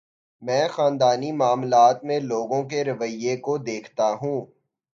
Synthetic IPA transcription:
mɛ̃ːxaːnd̪aːnimaːmlaːt̪mẽloːɡõk̬eɾɐʋəɪjːekod̪eːkʰt̪aɦũː

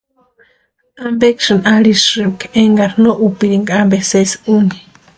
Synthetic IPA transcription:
ambekʂɨnʔalisɨkeŋɡaɾnoʔupiɾiŋɡaambesesuni̥

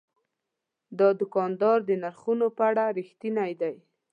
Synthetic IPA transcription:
d̪ɑd̪ʊkɑnd̪ɑɾd̪ənaɾxunopəaɽaɾixt̪inajd̪aj

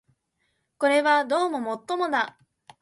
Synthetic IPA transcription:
ko̞ɾe̞βad̪o̞ːmo̞mo̞t̪ːo̞mo̞na

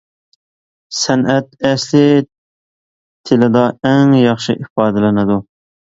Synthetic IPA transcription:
sænæt̪̚ɛslɪ | t̪ʰɪlɪd̪ɑæŋjɑχʃɪ̰ʔifɑːd̪ælɛnɪd̪u

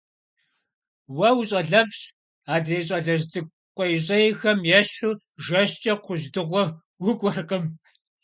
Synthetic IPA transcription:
wɐwɕʼɐɮɐvɕ | aːdreːɕʼɐɮɐʑzɨɡ̚ | qʷɔjɕ̬ʼɐjxɐmjɛɕu | ʒɐɕt͡ʃʼɐqʷʊʑdɨʁʷɔ | wʊkʷʼɔrqəm

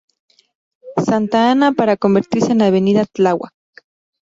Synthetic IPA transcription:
sant̪aanapaɾakombeɾt̪iɾsenaβeniðat͡ɬawa̰k̚

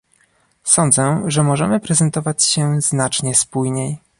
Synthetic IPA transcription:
sɔnd̪zɛʐɛmɔʐɛmɘpɾɛzɛnt̪ɔvat͡ɕɕɛznat͡ʂɲɛspujɲej

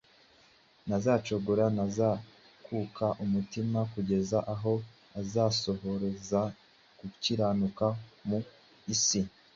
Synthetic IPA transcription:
nazaːt͡ʃo̞ɡoɾanaza | kʰuːkʰaʔumutimakuɟe̞zaʔaɦo̞ | azaːso̞ho̞ɾeza | kuciɾaːnukamu | isi

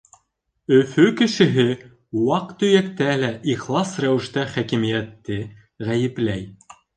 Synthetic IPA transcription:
ɵfɵkɘ̆ʃɘ̆ɦɘ | wɑqt̪ɵ̆jækt̪ælæʔiχlˠɑsræwɘ̆ʃt̪æχækĭmijæt̪ːɘ | ʁæjɘ̆plæj

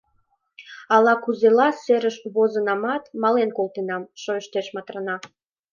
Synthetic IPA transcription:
ɑlɑkuzelɑseɾəʃβozənɑmɑt̪mɑlenkolˠt̪enɑmʃojəʃt̪eʃmɑt̪rənɑ

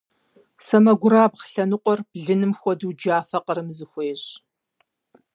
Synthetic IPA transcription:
sɐmɐɡʷʊɾaːbqɬɐnɨqʷʼɔrb̥ɮɨnɨmxʷɔduːd͡ʒaːfɐqəɾɨmzɨxʷeːɕ

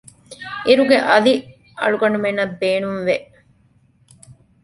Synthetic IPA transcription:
iɾuɡeʔɐli | ʔɐ̰ɭuɡɐɳumenːɐbbeːnumʋeʔ

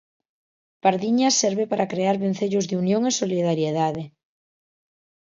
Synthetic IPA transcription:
paɾðiɲasɛɾβepaɾakɾeaɾβen̟θeʎʊzðɪunjoŋesoliðaɾjeðaðe

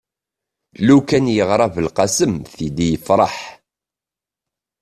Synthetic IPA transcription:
lukænjəʁɾˤɑvəlqɑsəmθid̪ijəfɾˤɑ̰ħ

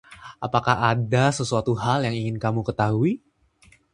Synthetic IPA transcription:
ʔapakaɦadasəsuat̪uɦaljaŋiŋɪnkamukət̪aɦui

